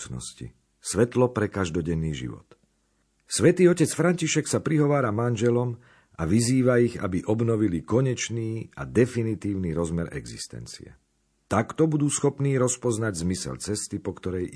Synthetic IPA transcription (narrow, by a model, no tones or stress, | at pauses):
nɔ̰scḭ | sʋɛt̪lɔpɾɛkaʒd̪ɔɟɛnːiːʒḭʋɔ̰t̪ | sʋɛt̪iːɔcɛt͡sfɾaɲciʃɛksapɾiɦɔʋaːɾamanʒɛlɔm | aʋiziːʋaiɣa̰biʔɔbnɔʋilikɔɲɛt͡ʃniːa̰d̪ɛfinit̪iːʊniɾɔzmɛɾɛ̰ɡzist̪ɛ̰nt͡sḭɛ̰ | t̪akt̪ɔbud̪uːsxɔpniːɾɔspɔznaɟzmisɛ̰lt͡sɛst̪ipɔkt̪ɔɾɛj